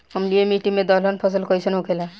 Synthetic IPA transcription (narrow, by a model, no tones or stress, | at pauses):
ɔmliemiʈiŋmed̪ɔlɔnpʰɔs̬əlkɔjsʰɔnɦukʰela